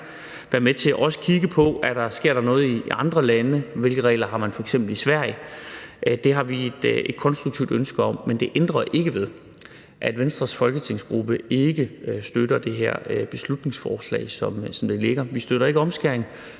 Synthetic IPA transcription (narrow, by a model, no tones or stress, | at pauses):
ʋæːɐmet͡sʰe̝æʔɒ̽sə̥kʰiɡəpʰɒ̽æɾ̥ɑ̈sɡ̥e̝ɐ̰d̥ɑ̈nɔ̽ːð̞̩ˠiʔɑ̈nd̥ʁɐlænəʋe̝lɡ̥əʁɛ̰ːlɐɦɑ̈mænfɒ̽eɡ̥semb̥l̩isʋæɐ̰jə | d̥e̝ɦɑ̈ʋie̝d̥ed̥̚kʰɒ̽nsd̥ʁuɡ̥̚t͡sʰiʊd̥ønsɡ̥əɒ̽mːend̥e̝ʔend̥ʁɐʔe̝ɡ̥əʋe̝ðˠ | ʔæd̥ʋensd̥ʁɐsfɒ̽lɡ̥ət͡sʰe̝ŋ̰sɡ̥ʁub̥əe̝ɡ̥əsd̥øɾɐd̥e̝ɦeɐ̰b̥e̝slud̥̚ne̝ŋsfɒ̰ːslɛ̰ːɪsɒ̽msɒ̽md̥e̝le̝ɡ̥ɐʋisd̥øɾ̥ɐe̝ɡəɒ̽msɡ̥æɐeŋ